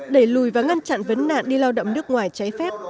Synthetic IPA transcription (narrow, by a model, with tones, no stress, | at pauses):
ɗe˧˩jlu˨˩jvaː˨˩ŋa˧nt͡ɕa̰˧˨nvə˨˦nːa̰ː˧˨nɗi˧laː˧wɗə̰˧˨ŋ͡mnɨ˦˥ək̚ŋwaː˨˩jt͡ɕa˨˦jfɛ˦˥p̚